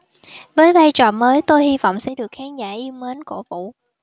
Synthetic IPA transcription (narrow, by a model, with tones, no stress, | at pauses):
vəː˨˦jvaː˧jt͡ɕɔ̰ː˧˨nməː˨˦jt̪o˧jhi˧vɔ̰˧˨wŋ͡msɛ̰˧˥ɗɨ˨˩ək̚xaː˨˦nzaː˧˩ʔi˧əwməː˨˦nko˧˩vṵ˧˨